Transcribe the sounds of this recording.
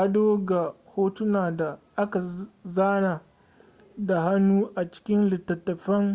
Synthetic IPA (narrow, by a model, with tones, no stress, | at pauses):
ʔa˦doː˦ɡa˨hoː˦tʊ˦naː˨da˨ʔa˦ka˨zaː˦naː˨ | da˨ɦa˦nːuː˦ʔa˨t͡ʃɪ̥˦kʲɪ˦nlɪ˨tːɐ˨tːɐ˨ɸɐ˦ŋ